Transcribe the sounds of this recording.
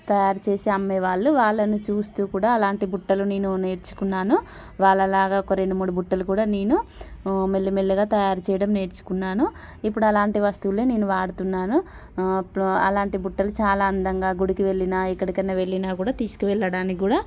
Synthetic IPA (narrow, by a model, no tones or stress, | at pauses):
t̪ɐjaːɾut͡ʃe̞ːseɐmːeʋaːɭːuʋaːɭːɐnut͡ʃuːst̪uːkuːɽaːɐlaːɳʈibuʈːɐlune̞ːnune̞ːɾt͡ʃu̥kunːaːnu | ʋaːɭːɐlaːɡaːɔkɐɾeɳɖumuːɽubuʈːɐlukuːɽaːne̞ːnu | melːimelːɐɡaːt̪ɐjaːɾut͡ʃɛːjɐɽɐmne̞ːɾt͡ʃu̥kunːaːnu | ipːuɽuɐlaːɳʈiʋɐst̪uʋleːne̞ːnuʋaːɽut̪unːaːnu | ɐ̰laːɳʈibuʈːɐlut͡ʃaːlaːɐnd̪ɐŋɡaːɡuɽikiʋe̞ɭːinaːikːɐɽikɐnːɐʋe̞ɭːinaːkuːɽaːt̪iːsu̥kiʋɛɭːɐɽaːnikɡuːɽaː